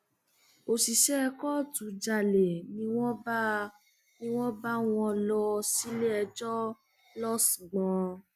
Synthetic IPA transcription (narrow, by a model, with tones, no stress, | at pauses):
o˧si˨ʃɛ˦˧kɔ˦˨tu˨d͡ʒa˧˨le˨nĩ˧w̃ɔ̃˦b | nĩ˧˦w̃ɔ̃˦ba˦w̃ɔ̃˧lɔ˧si˦le˦ɛ˧d͡ʒɔ˦ | lɔ˦sĩ˨ɡ͡bɔ̃˧